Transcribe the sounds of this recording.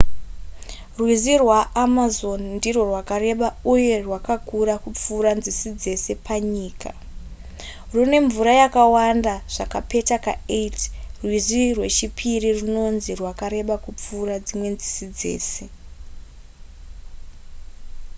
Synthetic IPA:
rwizirwaːmazo̞nndiro̞rwakaɾe̞ɓauje̞rwakakuɾakup͡fuːɾanzisid͡ze̞se̞pʰaɲiːka̰ | rune̞ɱvuɾajakawandaʐ̥akape̞takaetrwizirwe̞t͡ʃipʰiririno̞nzirwakaɾe̞ɓakup͡fuːɾad͡zimwe̞nzisid͡ze̞̰ːse̞

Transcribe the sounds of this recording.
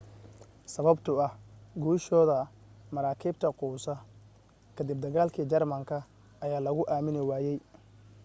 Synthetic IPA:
sɐβɐbt̪ʰʊɐhɡuːʃɔːðɐ | mɐɾaːkʰɪbt̪ʰɐquːsɐ | kʰɐd̪ib̚d̪ɐɣaːlkʰiːd͡ʒɐrmɐŋkʰɐ | ɐjaːlɐɣʊʔaːmɪnɪwaːjɛj

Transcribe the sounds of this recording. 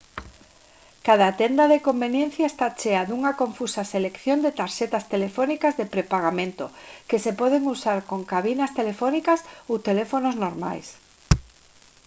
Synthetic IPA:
kað̞aːt̪end̪aðekombenjẽn̟θjaest̪at͡ʃeaðuŋakoɱfusaselekθjond̪et̪aɾʃet̪ast̪elefɔnikazðepɾepaɣ̞amẽnt̪okesepɔðeŋusaɾkoŋkaβinast̪elefɔnikasowt̪elefonoznoɾma̰js

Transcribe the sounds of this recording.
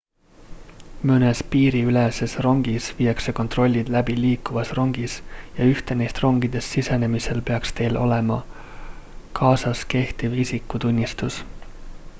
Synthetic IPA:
mønespiːɾiylese̞sro̞ŋɡ̥isviːɑkse̞ko̞nt̪ro̞lʲːid̪̥læbiliːkːuvɑsro̞ŋɡ̥isjɑyht̪e̞nejst̪ro̞ŋɡ̥id̪̥e̞sːisene̞mise̞lpe̞ɑkst̪e̞jlo̞̰le̞mɑ | kʰɑːsɑske̞ht̪ivisikːut̪unʲːist̪us

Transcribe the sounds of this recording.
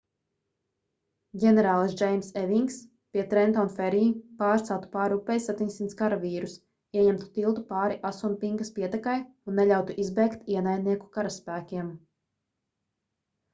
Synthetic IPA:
ɡʲɛnɛɾaːlˠsd͡ʒɛjmsɛviŋks | piɛt̪ɾɛnt̪ɔnfɛɾipaːɾt̪sawt̪u̥paːɾupːɛjsat̪iɲsint̪skaɾaviːɾus | iɛɲɛmt̪u̥t̪ilˠt̪upaːɾiʔasunpiŋɡaspiɛt̪ɛkajunːɛʎʲawt̪uʔizbɛːkt̪iɛnajd̪niɛku̥kaɾaspæːkʲiɛm

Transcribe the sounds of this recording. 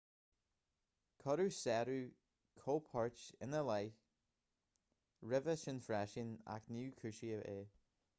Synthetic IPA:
kʰɔɾusɛɾʉː | kʰoːpʰɔɹt͡ʃɪnəlaj | ɹɪvəʃənfɹɛʃɪna̰knuːkʰʉʃiəeː

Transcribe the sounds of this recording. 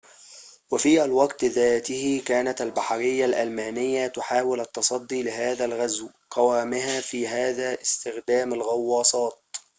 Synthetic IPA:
wafiːʔalwɑɡt̪ðaːt̪ɪhɪkaːnat̪albaħɑɾɪjːalʔalmaːnɪjːat̪ʊħaːwɪlʔɑt̪ːɑsˤɑd̪ːiːlɪɦaːðalɣazw | qɑwaːmɪɦaːfiːɦaːðaːʔɪst̪ɪxd̪aːmalɣɑwːɑːsˤɑːt̪̚

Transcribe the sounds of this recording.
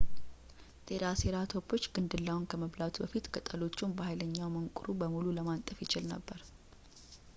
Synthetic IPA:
t̪ʼeɾaseɾat̪ʰopʰːo̞t͡ʃːɡɨnd̪ɨlːawnkʰəməβlat̪bəfit̪ɡət̪ʼəlo̞t͡ʃːunbəhajləɲːawməŋkʼuɾubəmululəmant̪ʼəfjɪt͡ʃɪlnə̰bːəɾ

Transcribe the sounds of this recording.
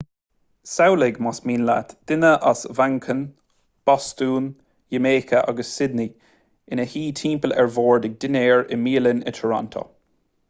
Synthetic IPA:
sawlɪɡmasmiːnla̰t̪d̪̥ɪnəʔasvaŋkʰən | b̥ɔst̪uːn | jəmeːkʰəʔa̰ɡəsːɪd̪ni | ɪnəhiːt̪ʰiːmpəlɛ̰ɹvoːɹdɪɡ̚dɪnɛːɹɪmiːlənɪ̰tʰɔɹɔ̰nt̪ʰo̰

